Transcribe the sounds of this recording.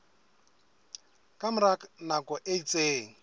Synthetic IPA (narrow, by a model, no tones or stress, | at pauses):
kʼamʊɾaknakɔʔeit͡sʼeːŋ̩